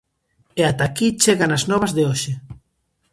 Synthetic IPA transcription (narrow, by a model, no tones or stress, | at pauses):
eat̪akit͡ʃeɣanaznɔβɐzðeoʃe